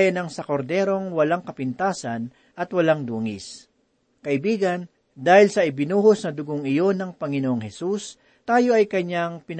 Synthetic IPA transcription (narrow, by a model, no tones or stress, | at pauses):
jɐnɐŋsɐkoɾd̪ɛːɾo̞ŋwɐlaŋkɐpɪnt̪aːsɐn | ʔɐt̪wɐlaŋd̪uːŋɪs | kɐʔɪbiːɡɐn | d̪aːhɪlsɐʔɪbɪnuːhosnɐd̪ʊɡoŋɪjo̞nɐŋpɐŋɪnoʔoŋhɛsus | t̪aːjo̞ɐjkɐɲːaŋpɪn